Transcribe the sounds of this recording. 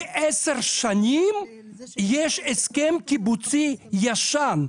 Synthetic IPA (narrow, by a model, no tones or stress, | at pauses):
ʔeseʁʃanim | jeʃeskemkibut͡sijaʃan